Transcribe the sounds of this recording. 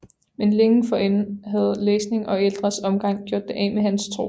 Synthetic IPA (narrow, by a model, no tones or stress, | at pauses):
menleŋ̩fɒ̽en̩ɦæð̞̩ˠleːsne̝ŋʔɒ̽eld̥ʁɐsɒ̽mɡ̥ɑ̈ŋ̰ɡ̥jo̝ɐd̥ːeʔɛ̰mehænst͡sʰʁo̝̰ː